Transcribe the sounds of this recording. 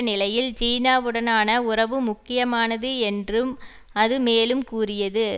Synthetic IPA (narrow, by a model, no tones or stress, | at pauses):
nɪlɐjɪlt͡ʃiːnaːʋɯɽɐnaːnɐʊrɐʋɯmʊkːɪjɐmaːnɐðɯɛndrɯm | ɐðɯmeːlɯmkuːrɪjɐðɯ